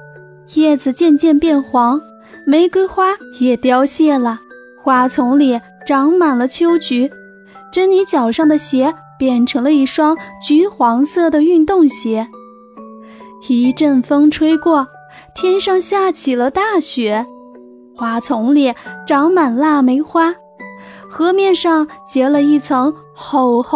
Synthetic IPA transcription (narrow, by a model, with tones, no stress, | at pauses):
xɛ˥˩d͡zɹ̩˨˩t͡ɕjɛ˥˧nt͡ɕjɛ˥˧npjɛ˥˩nxwɑ˧˥ŋ | me˧˥ɪkwe˥ɪxwa˥jɛ˨˩t̪jɑ˥ʊɕjɛ˥˩lə˩ | xwa˥t͡sʰʊ˧˥ŋli˧˩ | ʈ͡ʂɑ˧˥ŋma˨˩nlə˦t͡ɕʰjo˥ʊt͡ɕy˧˥ | ʈ͡ʂə˥nni˧˥t͡ɕjɑ˨˩ʊʂɑ˥˩ŋd̪ə˩ɕjɛ˧˥ | pjɛ˨˩nʈ͡ʂʰɤ˧˥ŋlə˧i˥˩ʂwɑ˥ŋt͡ɕy˧˥xwɑ˧˥ŋsɤ˥˩d̪ə˩y˥˧nt̪ʊ˥˩ŋɕjɛ˧˥ | xi˧˥ʈ͡ʂə˥˩nfɤ˥ŋʈ͡ʂʰwe˥ɪkwɔ˥˩ | t̪ʰjɛ˥nʂɑ˥˧ŋɕja˥˩t͡ɕʰi˨˩lə˦t̪a˥˩ɕɥɛ˧˥ | xwa˧˥t͡sʰʊ˧˥ŋli˨˩ʈ͡ʂɑ˧˥ŋma˨˩nla˥˩me˧˥ɪxwa˥ | xɤ˧˥mjɛ˥˧nʂɑ˥˧ŋt͡ɕjɛ˧˥lə˧i˥˩t͡sʰɤ˧˥ŋxo˧˩ʊx